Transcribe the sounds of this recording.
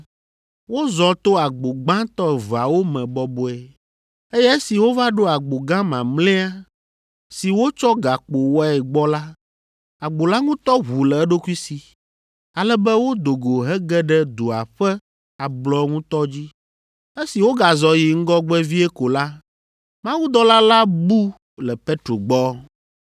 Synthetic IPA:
wo˦zɔ˨t̪o˦a˨ɡ͡bo˨ɡ͡bã˦t̪ɔ˦˨va˨wo˦mɛ̃˨bɔ˦bo˦ɛ˨ | e˦jɛ˦e˦si˨wo˦va˦ɖo˦a˨ɡ͡bo˨ɡã˦mã˨mlɛ̃˦a˦ | si˨wo˦t͡ʃɔ˦ɡa˨k͡po˨wɔ˦ɛ˨ɡ͡bɔ˦la˦ | a˨ɡ͡bo˨la˦ŋũ˦t̪ɔ˦ɦu˨lɛ˨ɛ˦ɖo˦ku˦i˦si˨ | a˨lɛ˦bɛ˦wo˦d̪o˨ɡo˨ɦɛ˦ɡɛ˦ɖɛ˦d̪o˨a̰˨ɸɛ˦ | a˨blɔ˦ŋũ˦t̪ɔ˦d͡ʑi˦ | e˦si˨wo˦ɡa˨zɔ˨ji˨ŋ̩˦ɡɔ˦ɡ͡bɛ˦vi˦ɛ˦ko˨la˦ | mã˦wu˦d̪ɔ˦la˦la˦bu˦ | lɛ˨pe˦t̪ɾo˨ɡ͡bɔ˦

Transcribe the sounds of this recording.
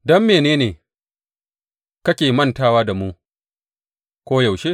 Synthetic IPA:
dɔ˦mːeː˨neː˦neː˨ | kɐ˦kʲeː˨mɐ˦ntaː˦waː˦da˨muː˦ | kʷoː˦jɐ˨wʃe˦

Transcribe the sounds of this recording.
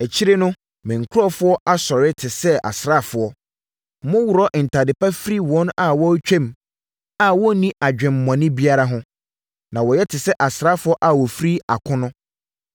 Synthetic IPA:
ɛ˨t͡ɕʰi˦ɾe˦nʊ̃˦ | mɪ̃˨ŋ̩˨kʰʊ˦ɾɔ˦fʊ˦ɔ˦ʔa˦sɔ˨ɾɪ˦tʰɪ˨sɛ˦a̰˨sɾa˦˨fʊ˨ɔ˦ | mʊ̃˦wu˨ɾɔ˦ʔn̩˨tʰa˨dɪ˨pʰa˦fɾi˦wɔ̃˨˦na˨wɔ˦t͡ɕᶣɛ̃˦m | a˦˨wɔ˦nĩ˦ʔa˨d͡ʑᶣɪ̃˨m̩˨mã˨nɪ̃˦bi˦a˦ɾa˦ɦʊ̃˦ | nã˨wɔ˨jɛ˦tʰɪ˨sɛ˦ʔa˨sɾa˦fʊ˦ɔ˦ʔa˦˨wɔ˨fɾi˦a˨kʰʊ̃˦nʊ̃˦

